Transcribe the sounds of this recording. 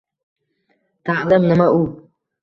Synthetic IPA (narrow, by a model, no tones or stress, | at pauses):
t̪aʕlamnamaʔuː